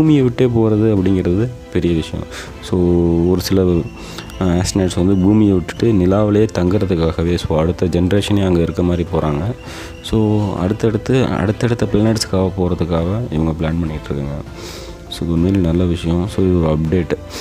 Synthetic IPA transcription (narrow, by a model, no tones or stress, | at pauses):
buːmɪjeʋɪʈːeːpoːɾɐðɯɐpːɐɽɪŋɡɪɾɐðɯ | pɛɾɪjɐʋɪʂɐjõ̰ | soːɔɾɯsɪlɐ | aːsʈneːʈsʋɐnd̪ɯbuːmɪjeʋɪʈːɯ̥ʈːɯnɪlaːʋɐlɐjeːt̪ɐŋɡɯɾɐðɯkːaːɣɐʋeːsoːɐɽɯt̪ːɐd͡ʒɛnɾeːʂɐneɐŋɡɐɪɾɯkːɐmaːd̪ɾipoːɾaːŋɡɐ | soːɐ̰ɽɯt̪ːɐɛɽɯt̪ːɯɐ̰ɽɯt̪ːɛɽɯt̪ːɐpɪlːneːʈskːaːɣɐpoːɾɐðɯkːaːɣɐɪ̰ʋɐŋɡɐpɭaːnpɐɳːɪkːɪʈːɾɯkːɯːŋɡɐ | soːmeːlnɐlːɐʋɪʂɐjɐ̃soːɪðɐpɖeːʈː